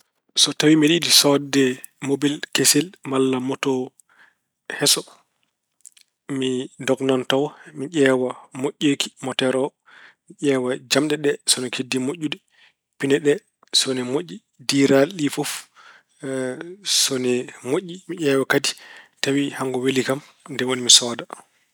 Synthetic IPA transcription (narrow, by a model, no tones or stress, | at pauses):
sɔtawimiɗidisɔdɛ | mobilkesɛlmalːamɔtɔ | hɛsɔ | midɔɡnantawmiʄɛːwamoʔːeki̥mɔtɛɾɔ | miʔɛːwad͡ʒamɗɛɗɛsɔnikʰedːimoʔʲːudɛ | pinɛɗɛ | sɔnɛmoʔːi | diːɾaɗifɔf | sɔnɛmoʔːimiʔɛːwakaditawihaŋɡɔwelikamndɛwonimisɔːda